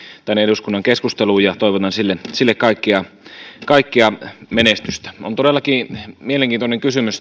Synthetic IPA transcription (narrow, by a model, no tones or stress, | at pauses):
t̪ænːeduskunːɑŋkeskust̪eluːjɑt̪oˑiʋot̪ɑnsilːensilːekkɑˑikːiɑ | kɑikːiɑmenest̪yst̪æ̥o̰nt̪odelːˑɑkiːmieleŋkiːnt̪oneŋkysymys